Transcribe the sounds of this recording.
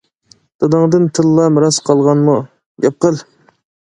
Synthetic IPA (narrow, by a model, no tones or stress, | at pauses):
d̪̥ɑd̪ɑŋd̪ɨnt̪ʰɨlːɑmɾɑsqʰɑlˠʁɑnmu | ɡɑp̚qəlˠ